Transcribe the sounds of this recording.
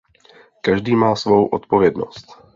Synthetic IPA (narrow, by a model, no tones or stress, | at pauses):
kaʒdiːmaːsvo̞wʔot̪po̞vjɛdno̞̰st̪